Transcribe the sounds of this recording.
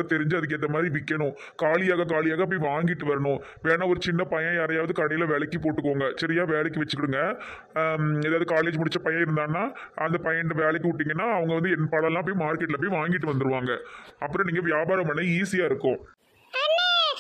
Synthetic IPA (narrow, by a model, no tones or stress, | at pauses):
ɐt̪ɛɾɪɲd͡ʒɯɐðɯkːɯɛnðd̪ɐmaːðɾiʋɪkːɐɳʊ̃ | kaːlɪjaːɣɐk̬aːlɪjaːɣɐp̬ːɐiʋaːŋɡɪʈːɯʋɐɾɐɳʊ̃ | ʋeːnãɔɾɯt͡ʃɪnːɐpɐjɐ̃jaːɾɐjaːʋɐðɯkɐɽɐjɪlɐʋɛːɭɐkːɯpoːʈːɯkːoːŋɡɐt͡ʃɐɾɪjaːʋeːɭɛkːɯʋɐt͡ʃːɯkːɪɽɯŋɡɐ | eðaːʋɐðɯkaːleːd͡ʒmʊɽɪt͡ʃːɐpɐjɐ̃ɪɾɯnd̪aːnːaː | ʔɐnd̪ɐpɐjɐnɖɐʋeːɭɛk̬ːɯʋʊʈːiːŋɡɐnːaːɐʋɐŋɡɐʋɐnd̪ɯɛnpɐɽɐlãːɐp̬ːoimaːɾkeʈɪlɐpːoiʋaːŋɡɪʈːɯʋɐnd̪ɯɾɯʋaːŋɡɐɐpːɯɾɔ̃niːŋɡɐʋjaːbaːɾɐmɐnɐɪiːsɪjaːɪɾɯkːʊ̃